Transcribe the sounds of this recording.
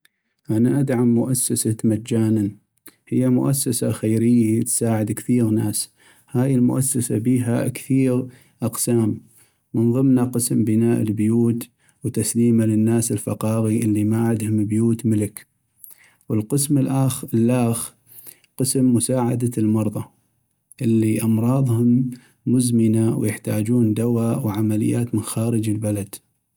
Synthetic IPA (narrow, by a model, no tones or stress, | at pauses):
ʔanaʔad̪ʕamːʊʔasːasamat̪d͡ʒaːnan | hɪjːamʊ̰ʔasːasaxejɾɪjːat̪saːʕɪd̪kθiːɣnaːs | haːjɪlmʊ̰ʔasːasabiːɦakθiːɣ | ʔɑqsaːmː | ənɣɪmnaqəsmbɪnaːʔəlbjuːt̪ | wt̪asliːmalɪnːaːsəlfɑqɑːɣiʔɪlːimaʕɪd̪hʊmbjuːt̪mələk | wəlqəsmɪlʔaxlʔaːxɾ | qəsmːʊsaːʕad̪almɑɾˤðˤɑ | ʔɪlːiʔɑmɾˤɑːðˤhʊmː | ʊzmɪnawjɪħt̪aːd͡ʒuːnd̪awaːwʕamalɪ̰jːaːt̪mənxaːɾəd͡ʒəlbalad̪̥